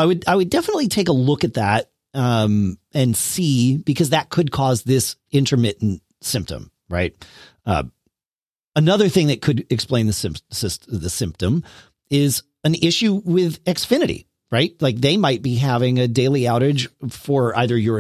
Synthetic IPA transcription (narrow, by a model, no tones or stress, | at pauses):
aɪwɨdaɪwɨdɛfənətˡlitʰeɪkəlʊkɨt̪̚ðæɾ̚ | ʌ̃mɨ̃nsib̥ɨkʰʌzðɨt̚kʰɨd̚kʰɔzðɪs | ɪ̃ntʰə˞mɪʔn̩t̚ | sɪ̃mp̚tə̰̃m | ɹaɪt̚ | ʌ̰ | ənʌðə˞θɪ̃ŋðɨt̚kʰɨdɨksplẽɪ̃nðɨsɪ̃msɪsðɨsɪ̃mp̚tɨ̃m | ɪz | ɨ̃nɪʃʉwɪðɛksfɪ̃nɨɾḭ | ɹaɪt̚laɪk̚ðeɪmaɪt̚b̥iɦævɪ̃ŋɨdeɪlˠiaʊɾɨd̥ʒ̥fə˞ʔa̰ɪðə˞jə˞